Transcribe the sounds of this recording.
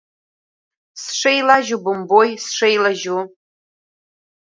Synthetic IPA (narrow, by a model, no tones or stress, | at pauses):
sʂejlaʒubɨmbojsʂejlaʒu